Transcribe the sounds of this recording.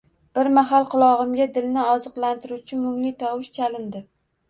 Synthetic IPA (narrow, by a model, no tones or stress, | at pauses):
b̥ɪɾmaɦalˠqʰʊlˠɒʁɨmɡʲad̪ɪlnɪɒzɨqlˠant̪ɪɾut͡ʃʰɪmʊŋlɪt̪ʰɒwɪʃt͡ʃʰalɪnd̪ɪ